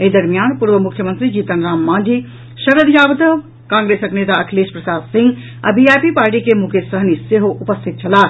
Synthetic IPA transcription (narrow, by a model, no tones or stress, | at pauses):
eːd̪ɐɾmijaːnpuɾʋəmukʰjəmənt̪ɾid͡ʒiːt̪ənɾaːmːãːnd͡ʒi | ʃɐɾəd̪jaːʋd̪əʋ | kãːŋɡɾeːsəkneːt̪aɐkʰleːspɾɐsaːd̪sɪ̃ŋɡ | ɐ̰biaːjpipaːɾʈikemukʰesəɦniseɦoʔupəst̪ʰit̪̚t͡ʃʰɐlaː